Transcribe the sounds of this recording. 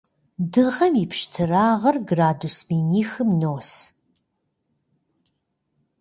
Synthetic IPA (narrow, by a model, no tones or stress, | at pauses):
dɨʁɐmipʰʃtʰɨraːʁɐrɡraːdusmiːniːxɨmnoːs